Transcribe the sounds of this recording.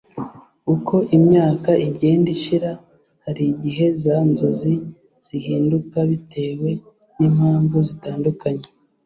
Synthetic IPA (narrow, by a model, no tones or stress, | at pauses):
ukʰo̞ʔimɲaːkaʔiɟe̞ːndiʃiɾa | haɾiɟiɦe̞zanzo̞zi | z̥ihiːndukaβitʰe̞ːwe̞ | niːmhaːɱvuzitaːndukaɲe